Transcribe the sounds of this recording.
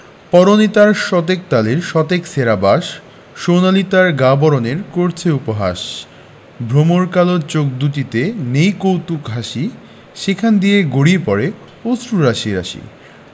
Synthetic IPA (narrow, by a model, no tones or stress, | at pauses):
pɔɾonit̪aɾʃɔt̪ek̚t̪aliɾʃɔt̪ekseɾabaʃ | ʃonalit̪aɾɡabɔɾoneɾkoɾt͡ɕʰeupoɦa̰ʃ | bʱɾomoɾkaloɾt͡ɕok̚d̪uʈit̪enejkowt̪ukɦaʃi | ʃekʰand̪ijeɡoɽiepɔɾe | osɾuɾaʃiɾa̰ʃḭ